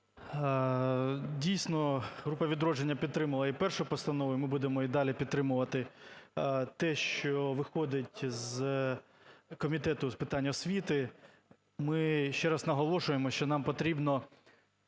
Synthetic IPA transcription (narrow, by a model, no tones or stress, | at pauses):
dʲijsʲnɔɦɾupɐʋʲid̪ɾɔd͡ʒenʲːɐpʲid̪̚t̪ɾɪmɐlˠɐipɛrʃʊpɔst̪ɐnɔʋʊjmɪbud̪emɔid̪ɑlʲipʲid̪t̪ːɾɪmʊʋɐt̪ɪ | t̪ɛʃt͡ʃɔʋɪxɔd̪ɪtʲz | kɔmʲit̪ɛt̪ʊspɪt̪ɑnʲːɐɔsʲʋʲit̪ɪ | mɪʃt͡ʃɛɾɐsnɐɦɔlˠɔʃʊjemɔʃt͡ʃɔnɑmpɔt̪ɾʲibnɔ